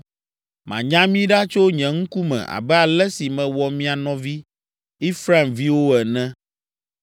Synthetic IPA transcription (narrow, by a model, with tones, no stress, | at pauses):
mã̰˨ɲã˦mĩ˦ɖa˦t͡ʃo˦ɲɛ̃˨ŋ̩˦ku˦mɛ̰̃˨ʔa̰˨bɛ˦a˨lɛ˦si˨mɛ̃˨wɔ˨mĩ˦a˨nɔ̃˨vi˦ | i˦fɾa˦˨mvi˦wo˦ɛ˨nɛ̃˦